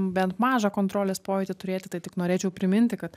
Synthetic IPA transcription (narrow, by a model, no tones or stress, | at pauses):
bʲɛnt̪mɑːʒɐkoːnt̪ɾoːlʲeːspoːʋʲeɪt̪ʲɪt̪ʊɾʲeːt̪ʲɪt̪ɐɪtʲɪknoːɾʲeːt͡ʃʲɛʊpʲɾʲɪmʲɪnʲt̪ʲɪkɐt̪